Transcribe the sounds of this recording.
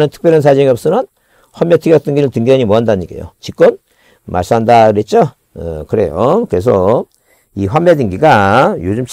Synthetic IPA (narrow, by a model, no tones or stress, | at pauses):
nɯntʰɯ̥k̚p͈jʌɾɯns̬ʰad͡ʑiŋiʌp̚s͈ɯnʌn | ɸwamːetʰiɡjat͈ɯŋɡiɾɯɭtɯŋɡiaɲimoɦandaɲiɡḛjo̰t͡ɕik͈on | mʔa̰ɭs͈ɯmandaɾet̚t͡ɕ͈o | ekɯɾe̞̰jo̰kɯɾe̞s̬ʰʌ | iɸwamːedɯŋɡiɡajod͡ʑumt͡ɕʰ